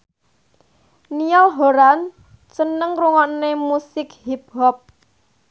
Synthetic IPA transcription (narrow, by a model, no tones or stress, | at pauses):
nijɔlɦoɾan | t͡ʃənəŋruŋɔnemusɪkhip̚ɦɔp̚